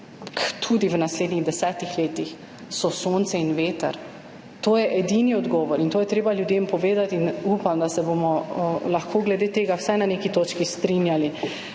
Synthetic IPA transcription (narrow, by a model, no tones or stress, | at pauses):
kt̪ʰud̪iʋnasleːd̪niɣd̪ɛsɛːt̪ixleːt̪ix | sɔsont̪sɛinʋeːt̪ɛ̰ɾ | t̪oːjɛʔɛd̪iniɔd̪ɡɔːʋɔɾint̪oːjɛt̪ɾeːbaljud̪empɔʋeːd̪at̪inupamd̪asɛbomɔlaxkʰoːɡlɛd̪eːt̪eːɡawsajnanekit̪oːt͡ʃkist̪ɾinjali